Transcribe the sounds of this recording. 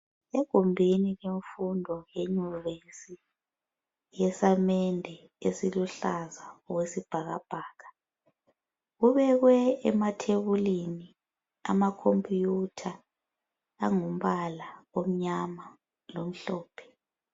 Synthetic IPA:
eɡ̥ʱumbʱiniɣeɱfundʱɔjeɲuβensi | jɛsamɛndʱɛ | esiluɬazaɔɣwesib̥ʱaɣa̰b̥ʱaːɣa | ɣuβɛɣwɛɛmatʰeβulini | a̰makʰompʼijutʰaː | ŋum̩βalaom̩ɲama | lom̩ɬɔːpʰɛ̥

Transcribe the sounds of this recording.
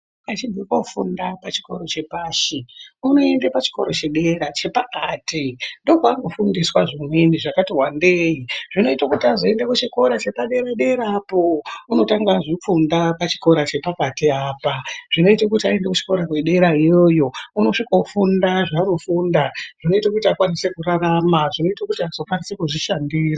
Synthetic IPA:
at͡ʃibʱikofṵndapat͡ʃi̥ko̞ɾo̞t͡ʃe̞paːʃiuno̞e̞ndepat͡ʃi̥ko̞̰ɾo̞t͡ʃe̞ɗe̞ɾat͡ʃe̞pakaːtindo̞kwaŋɡofundiswaʐimweniʐakatiwande̞iʐino̞itakutiaʐoendekut͡ʃiko̞ɾat͡ʃe̞paɗe̞ɾaɗe̞ɾaːpo̞uno̞taŋɡaʐip͡fundapat͡ʃi̥ko̞ɾat͡ʃe̞pakatiaːpaʐ̥ino̞itakutiaendekut͡ʃi̥ko̞ɾakwe̞ɗe̞ɾaijo̞ːjo̞uno̞ʂikofundaʐaːno̞fuːndaʐ̥ino̞itekutiakwanisekuraramaʐino̞itakutiazo̞kwanisekuʐiʃandiːra

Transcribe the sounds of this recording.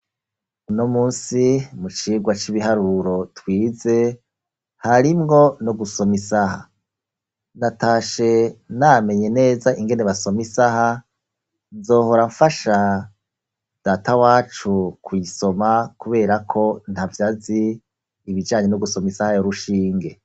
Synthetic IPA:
uno̞muːnsimut͡ʃiːɡwat͡ʃiβiɦaɾuɾo̞twiːze̞ | haɾimŋo̞noɡuso̞misaha | nataːʃe̞name̞ɲe̞ne̞ːzaʔiŋɡe̞neβaso̞misaha | nzo̞ːho̞ɾaɱfaʃa | d̥aːtawaːt͡ʃukwiso̞makuβe̞ːɾakʰo̞n̥havjaːziː | βid͡ʒaːɲe̞noɡuso̞misahajoɾuʃiːŋɡe̞

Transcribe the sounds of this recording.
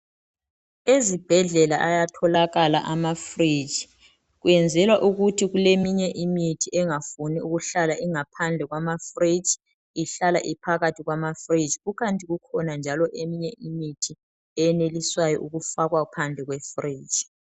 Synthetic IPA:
ezib̥ʱɛɮɛlaʔajatʰɔlaɣalaʔamafrid͡ʒi | ɣujɛnd͡zʱɛlwaʔuɣutʰiɣulemiɲɛʔimitʰiʔɛŋafuniuɣuɬalaʔiŋapʰand͡ɮʱɛɣwamafrid͡ʒ | iɬala̰ʔipʰaɣatʰiɣwamafrid͡ʒiɣuɣantʼiɣukʰɔnand͡ʒʱalɔʔemiɲɛʔimitʰi | ɛjɛneliswajɔʔuɣufaɣwapʰand͡ɮʱɛɣwɛfri̥ːd͡ʒ

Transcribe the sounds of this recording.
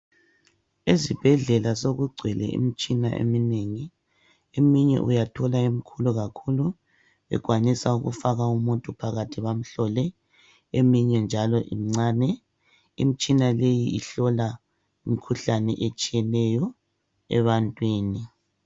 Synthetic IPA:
izib̥ʱɛɮɛlasoɣuɡ͡ǀʱwɛlɛ̰ʔḭmit͡ʃʼina̰ʔḛmineŋi | emiɲɛ̰ʔṵjatʰɔlaim̩ikʰuluɣakʰulu | βɛ̰ɡ̥ʱwanisauɣṵfaɣaumuntʼupʰaɣatʰiβam̩ɬɔlɛ | emiɲɛnd͡ʒʱalɔʔim̩ŋ͡ǀaːnɛ | imit͡ʃʼinalejiiɬɔla | imikʰuɬanɛʔet͡ʃʼijɛlɛjɔ | ɛ̰βantʼwiːni

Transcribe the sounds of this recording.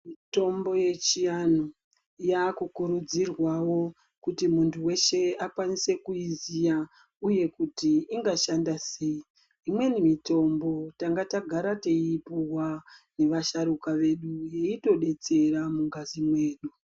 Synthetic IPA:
mito̞mbo̞je̞t͡ʃijano | jakukuɾud͡zirwawo̞ | kutimuntʰuwe̞ʃe̞akwanise̞kuizija | uje̞kutiiŋɡaʃandase̞i | imwe̞nimito̞mbo̞taŋɡataɡʱaɾateipuwane̞ʋaʃaɾukaʋe̞ɗujeito̞ɗe̞t͡se̞ɾamuŋɡazimwe̞ːɗu

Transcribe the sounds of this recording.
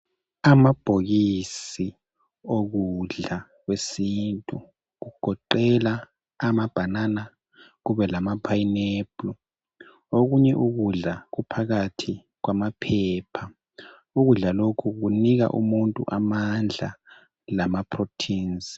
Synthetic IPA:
amab̥ʱoɣisi | oɣuɮa | ɣwesintʼu | ɣuɡ̥ʱɔǃɛlaː | mab̥ʱanana | ɣuβɛlamapʰaineb̥lɔ | oɣuɲɛʔuɣuɮaɣupʰaɣatʰi | ɣ̬wamapʰɛːpʰa | uɣuɮalokʰuɣ̬uniɣ̬a̰ʔumuntʼṵʔamand͡ɮʱa̰ | lamapʰrotʰiːnzi̥

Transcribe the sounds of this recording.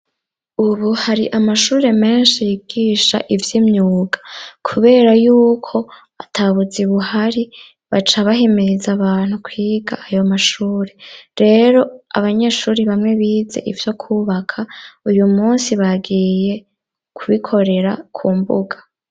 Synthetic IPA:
uβuhaɾiʔamaʃuːɾe̞me̞ːnʃijiɡiːʃa̰ʔivjimɲuːɡḁkʰuβe̞ːɾajuːkʰo̞ | atʰaβud͡ziβuhaɾi | βat͡ʃaβaɦimiɾizaβaːn̥hukʰwiːɡaʔajo̞maʃuːɾe̞ɾe̞ɾo̞aβaɲe̞ːʃuːɾiβamŋe̞βiːze̞̰ʔivjo̞kʰuβakʰaujumuːnsiβaɡiːje̞ | kʰuβikʰo̞ɾe̞ɾakʰuːmbṵɡḁ

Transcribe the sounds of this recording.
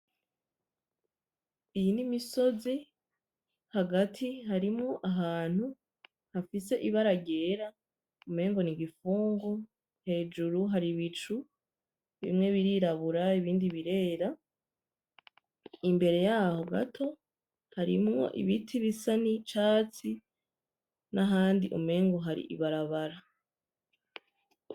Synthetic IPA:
ijinimiso̞zi | haɡatʰihaɾimŋoʔaɦaːn̥hu | hafise̞ʔiβaɾaɟe̞ːɾa | ume̞ːŋɡo̞niɡifuːŋɡo | he̞ːd͡ʒuɾuɦaɾiβit͡ʃu | βḭmŋe̞βiɾiɾaβuɾaiβiːndiβiɾe̞ːɾa | imbe̞ɾe̞jaːho̞ɡa̰tʰo̞ | haɾḭmŋo̞̰ʔḭβitʰiβisanit͡ʃaːt͡si | naɦaːndiʔṵme̞ːŋɡo̞ɦaɾḭʔḭβaɾaβaɾa

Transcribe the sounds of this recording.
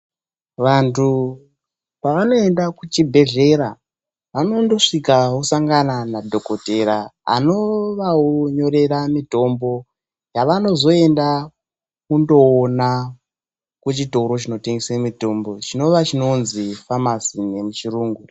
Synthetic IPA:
ʋantʰu | paʋano̞e̞ndakut͡ʃibʱe̞ɮe̞ɾa | ʋano̞ndo̞ʂikaɦusaŋɡananadʱo̞ko̞te̞ɾaa̰no̞ʋaoɲo̞ɾe̞ɾamito̞mbo̞ | jaʋano̞zo̞e̞nda | kundo̞ːna | kut͡ʃito̞ɾo̞t͡ʃino̞teŋɡesemito̞mbo̞t͡ʃino̞ʋat͡ʃino̞nzifamasine̞mut͡ʃiruːŋɡu

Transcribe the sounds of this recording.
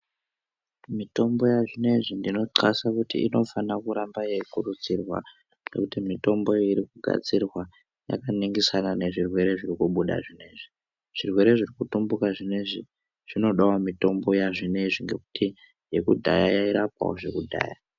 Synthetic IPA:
mito̞mbo̞jaʐine̞ʐindino̞ǀasakutiḭno̞fanakuɾambaje̞ikurut͡sirwa̰ | ŋɡe̞̰kutimito̞mbo̞iɾikuɡʱa̰d͡zirwa | ja̰kaniŋɡisanane̞ʐirwe̞ɾe̞ʐirikuɓuɗa̰ʐine̞ʐi | ʐ̥irwe̞ɾe̞ʐirikutumbukaʐineʐi | ʐ̥ino̞ɗawamito̞mbo̞jaʐineʐiŋɡe̞ku̥ti | je̞kudʱa̰jajaiɾapa̰woʐe̞kudʱa̰ːja̰

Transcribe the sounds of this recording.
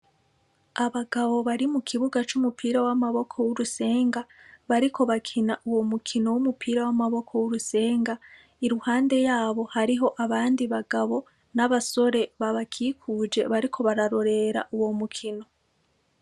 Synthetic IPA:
aβaɡaβo̞βaɾimukʰiβuɡat͡ʃumupiːɾawamaβo̞kʰo̞wuɾuse̞ːŋɡaβaɾikʰo̞βakʰinaʔuwo̞mukʰino̞wumupʰiːɾawamaβo̞kʰo̞wuɾuse̞ːŋɡa | iɾuhaːnde̞jaːβo̞haɾiɦo̞ʔaβaːndiβaɡaβo̞ | naβaso̞ɾe̞βaβakʰiːkʰud͡ʒe̞βaɾikʰo̞βaɾaɾo̞ɾe̞ɾa̰ʔuwo̞mukʰino̞

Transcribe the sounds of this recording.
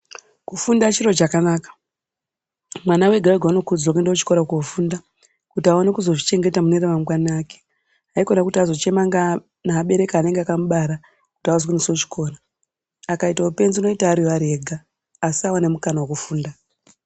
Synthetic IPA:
kufundat͡ʃiro̞t͡ʃakanaːkḁ | mwanawe̞ɡʱaweɡʱauno̞kud͡zaokendeot͡ʃi̥ko̞ɾakufuːnda | kutiaonekuzo̞ʐit͡ʃe̞ŋɡe̞tamuneɾeʋamɡaniaːke̥ | aiko̞nakutiazo̞t͡ʃe̞maŋɡa | naːɓe̞ɾe̞kaːne̞ŋɡeakamuɓaɾa | ku̥tiawazwinisot͡ʃi̥kʰo̞ːɾaː | kaitaupe̞nziuno̞itaːɾiwaɾeɡʱaː | siawane̞mukanawakufuːnda

